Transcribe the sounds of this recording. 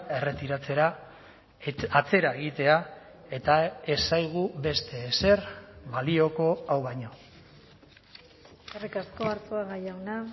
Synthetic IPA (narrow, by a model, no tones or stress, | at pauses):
e̞re̞t̪iɾat͡seɾa | at͡se̞ɾae̞ɣ̞it̪e̞a | e̞t̪ae̞sajɣ̞uβe̞st̪e̞se̞rβalio̞ko̞awβajɲo̞ | erikasko̞aɾt͡soaɣajawna